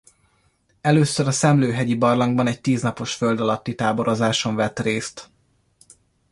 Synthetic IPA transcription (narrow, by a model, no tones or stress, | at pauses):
ɛløːsøɾɒsɛmløːɦɛɟibɒrlɒŋɡbɒnɛɟ̚t̪iːznɒpo̞ʃfø̞ld̪ɒlɒt̪ːit̪aːbo̞ɾo̞zaːʃo̞ɱvɛt̪reːst̪